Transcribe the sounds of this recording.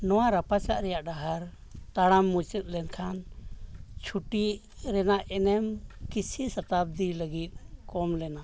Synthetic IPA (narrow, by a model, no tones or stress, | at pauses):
nɔwaɾapat͡ʃaʔɾɛjaʔɖaɦaɾ | t̪aɽamːut͡ʃət̪̚ˀlɛnkʰan | t͡ʃʰuʈiʔ | ɾɛnaʔɛnɛmkisʰisət̪ab̚d̪iləɡit̪̚kɔmlɛna